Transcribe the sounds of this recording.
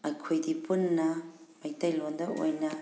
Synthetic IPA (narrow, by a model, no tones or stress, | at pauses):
ɐkʰojdipunːɐmɐjtɐjlondɐo̰jnɐ